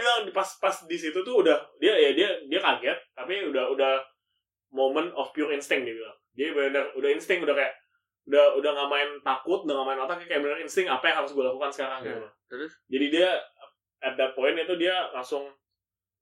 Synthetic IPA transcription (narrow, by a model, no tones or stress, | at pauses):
apaspasdisit̪ut̪ʊːdahdiajadiadiakarɡɛt̪̚ːapiudahudah | momənɔfpijurɪnst̪ɪŋdiabilaŋd͡ʒiabaudarudahinst̪ɪŋkudahkajaʔ | udahudahŋamaɪnt̪akʊt̪̚udahŋamaɪnmat̪akakajaʔmənəɾɪnst̪ɪŋapajaŋɦaɾʊs̬ɡualakukansə̥kaɾaŋtua | d͡ʒadidia | ɛt̪̚d̪ət̪̚poɪnit̪udialaŋsʊŋ